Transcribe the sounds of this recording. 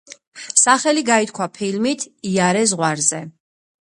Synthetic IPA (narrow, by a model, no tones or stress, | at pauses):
saχɛliɡait̪̚kʰwapʰilmit̪ʰiaɾɛzʁwaɾzɛ